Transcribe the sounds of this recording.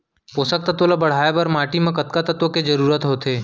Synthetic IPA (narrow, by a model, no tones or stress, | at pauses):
poːsək̚t̪ɐt̪olabɐɽ̤aːebɐɾmaːʈimẽkɐt̪kat̪ɐt̪oked͡ʒɐɾuːɾət̪ɦot̪ʰeː